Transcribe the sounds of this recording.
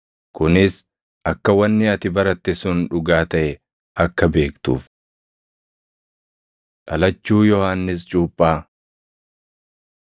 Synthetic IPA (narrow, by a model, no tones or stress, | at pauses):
kʊnɪs | ʔɐkːɐwɐnːɪɐt̪ɪbɐɾɐt̪ːɛsʊnᶑʊɡaːt̪ɐʔɛ | ɐkːɐbe̞ːkt̪ṵːf | ᶑɐlɐt͡ʃːuːjɔhaːnːɪs̬t͡ʃʼuːpʼːaː